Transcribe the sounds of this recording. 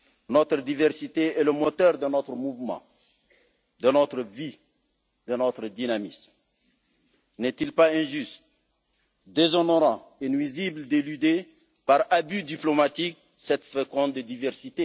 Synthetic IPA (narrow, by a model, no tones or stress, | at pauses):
nɔt̪ɾəd̪ivɛʁsit̪eɛləmot̪œʁd̪ənɔt̪ɾəmuvmɑ̰̃ | d̪ənɔt̪ɾəvi | d̪ənɔt̪ɾəd̪inamism | nɛt̪ilpaɛ̃ʒyst̪ | d̪ezɔnoʁɑ̃enwizibld̪elyd̪e | paʁabyd̪iplomat̪ik̚ | sɛt̪fɛkɔ̃t̪̚d̪əd̪ivɛʁsit̪e